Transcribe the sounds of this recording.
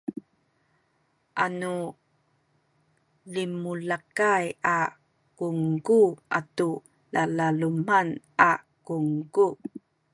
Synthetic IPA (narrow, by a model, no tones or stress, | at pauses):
ʔanu | limulakaja | kuŋɡuʔa̰tu | lalaluman | a | kuŋku